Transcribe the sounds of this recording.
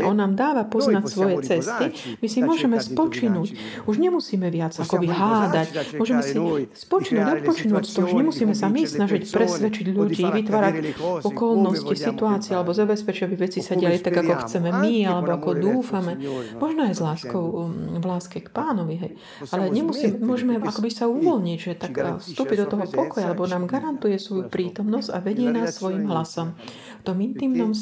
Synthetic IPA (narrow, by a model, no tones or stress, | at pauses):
ʔɔnːaːmd̪aːʋapɔznacsʋɔjɛt͡sɛst̪imisimʊɔʒɛmɛspɔt͡ʃinuːc | uʒɲɛmusiːmɛʋɪad͡zakɔbiɦaːd̪acmʊɔʒɛmɛsispɔt͡ʃinuːɟɔt̪̚pɔt͡ʃinuːcst̪ɔuuʒɲɛmusiːmɛsamisnaʒicpɾɛsʋɛt͡ʃiɟʎuɟiːʋit̪ʋaːɾacɔkɔlnɔscisit̪uaːt͡sialɛbɔzabɛspɛt͡ʃiɟabiʋɛt͡sisaɟɪalit̪aɡakɔxt͡sɛmɛmialɛbɔakɔd̪uːfamɛmɔʒnɔajzlaːskɔʊʋlaːskɛkpaːnɔʋiɦɛj | ʔalɛɲɛmusiːmɛmʊɔʒɛmɛakɔbisauʋɔlɲiɟʒɛt̪akfst̪uːpid̪ɔt̪ɔɦɔpɔkɔjaalɛbɔnaːmɡaɾant̪ujɛsʋɔjupɾiːt̪ɔmnɔzca̰ʋɛɟɪɛnaːsːʋɔjimɦlasɔm | ft̪ɔmint̪iːmnɔm